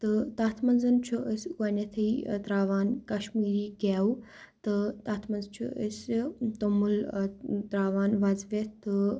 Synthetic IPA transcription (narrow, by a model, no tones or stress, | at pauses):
t̪ɨt̪aːt̪ʰmɐnzɐnt͡ʃʰuʔəsʲuɐnet̪ʰɐit̪ɾaːʋaːnkɐʃmiːɾiːɡɛːu | t̪ɨt̪aːt̪ʰmɐnzt͡ʃʰṵʔəsʲt̪omult̪ɾaːʋaːnʋɐzʋet̪ɨ